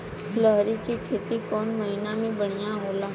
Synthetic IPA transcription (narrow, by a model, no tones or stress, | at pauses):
ləɦɾikikʰeːt̪ikɔːnmɐɦiːnamẽbɐɽ̤̃ijaɦoːlaː